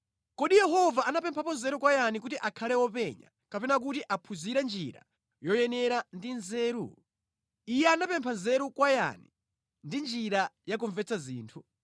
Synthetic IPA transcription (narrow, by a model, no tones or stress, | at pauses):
kɔɗijɛɦɔvaʔanapɛmpʰapɔnzɛɾukwajanik̬utiʔakʰalɛwɔpɛɲa̰ | kapɛnak̬utiʔapʰuziɾɛnd͡ʒiɾa̰ | jɔjɛnɛɾandinzɛːɾṵ | ijɛanapɛmpʰanzɛɾukwaja̰ni | ndind͡ʒiɾajakɔɱvɛt͡sʰaziːntʰu